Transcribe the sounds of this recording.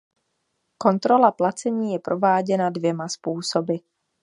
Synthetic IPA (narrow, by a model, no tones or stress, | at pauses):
ko̞nt̪ɾo̞laplat͡sɛɲiːjɛpɾo̞vaːɟɛnadvjɛmaspuːso̞bɪ